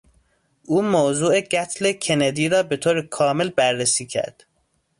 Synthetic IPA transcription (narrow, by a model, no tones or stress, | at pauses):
ʔuːmoːzuːeɡæt̪ʰlecʰened̪iːɾɒːbe̞t̪ʰoːɾekʰɒːmelbæɾːesiːcʰæ̰ɾd̪̥